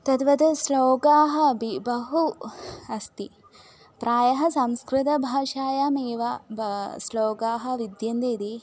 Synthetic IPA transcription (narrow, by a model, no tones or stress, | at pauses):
t̪ɐt̪ʋɐd̪ɐsloːɡaːɦɐ̆bibɐɦuɐst̪i | pɾʔaːjɐɦɐsɐmskɾɪt̪ɐbʱaːʃaːjameːʋɐbsloːɡaːɦɐ̆ʋid̪jɐnd̪eːd̪i